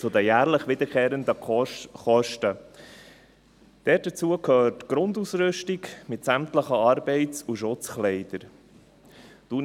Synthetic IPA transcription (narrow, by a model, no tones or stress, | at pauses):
t͡sʊdəjæːʁləχʋɪd̪əɾkʰeːɾənd̪əχɔʃtə | d̥ɛt̚d̥ət͡suəkʰøːɾtɡ̥ɾʊndusɾʏʃtikmɪtsæmtləχəɑɾbɛɪt͡suʃʊt͡sχlɛɪd̥̪əɾ | d̥u